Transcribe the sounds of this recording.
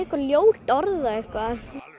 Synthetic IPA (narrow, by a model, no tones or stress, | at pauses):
ɪhkvaljoːwl̥t̪ɔɾðaehkva